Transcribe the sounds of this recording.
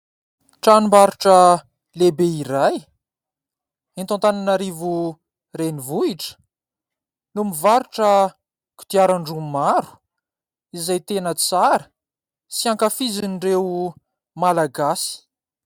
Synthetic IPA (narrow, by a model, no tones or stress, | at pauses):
ʈ͡ʂanimbaɾiʈ͡ʂə | lebeiɾaj | ent̪ãnt̪ananaɾivu | renivuiʈ͡ʂə̥ | numivaɾuʈ͡ʂə | ku̥t̪iaɾaɳɖ͡ʐumaɾu̥ | izajt̪enət͡saɾə | siãŋkafizinirew | malaɡasi̥